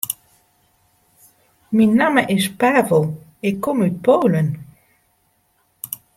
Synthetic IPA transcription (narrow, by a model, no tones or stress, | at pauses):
minːaməʔɪspɛvolˠ | ekːɔmyt̪̚powlən